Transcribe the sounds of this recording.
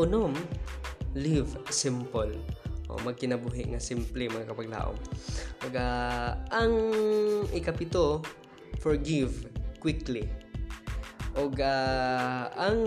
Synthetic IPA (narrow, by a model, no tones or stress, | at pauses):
ʊnom | livsɪmpolʔo̰mɐɡ̚kɪnɐbuːɦɪʔŋasɪmplimɐŋakɐpɐɡ̚la̰ːʔo̰ŋʔoɡʔaʔaŋ | ʔɪkɐpɪt̪o | fɔɹɡivkwɪkli | ʔoɡa | aŋ